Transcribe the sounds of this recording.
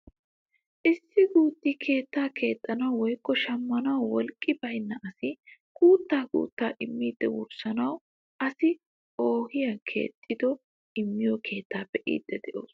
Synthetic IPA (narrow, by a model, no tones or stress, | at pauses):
ʔɪsːɪɡuːt̪ːɪkʰe̞ːt̪ːaːkʰe̞ːt̪ʼːɐnɐwːɔjkːɔʃɐmːɐnɐwwɔlkʼːɪbɐjnːɐʔɐsɪɡuːt̪ːaːkṵːt̪ːaːʔɪmːiːd̪̥ːɛwʊ̰ɾsɐnɐw | ɐsɪ | o̞ːhɪjakʰe̞̰ːt̪ʼːɪd̪ɔ | ɪmːɪjɔkʰe̞ːt̪ʰːaːpːɛʔḭːd̪ːɛd̪ɛʔo̞̰ːs